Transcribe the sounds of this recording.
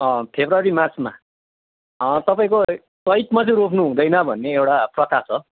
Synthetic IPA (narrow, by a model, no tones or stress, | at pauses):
ʌ̃pʰebrawaɾimart͡sma̰ | t̪ʌpaĩko | kʌjt̪mat͡sʌĩɾopʰnuɦũd̪ʌjnʌbʱʌnːeewʈaprʌt̪ʰat͡sʰʌ